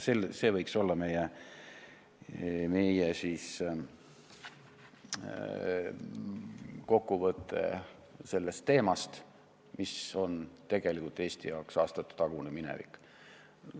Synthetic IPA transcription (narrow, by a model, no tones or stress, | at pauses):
selse̞ːvɤjkso̞lːɑme̞je | me̞jesis | ko̞kːuvɤt̪ːˑe̞̰ | se̞lːest̪ːe̞ːmɑst̪ | miso̞nt̪e̞ɡ̥e̞likult̪e̞ːsʲt̪ijɑwksɑːst̪ɑt̪ːˑu̥t̪ɑɡ̥uneminḛvḭkːˑ